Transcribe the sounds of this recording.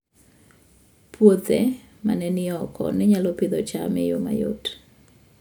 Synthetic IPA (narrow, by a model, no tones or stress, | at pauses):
pwot̪ɛ | ma̰nɛnɪɔkɔ̰nɪɲalɔpɪd̪ɔt͡ʃa̰mɪ̰joma̰jo̰t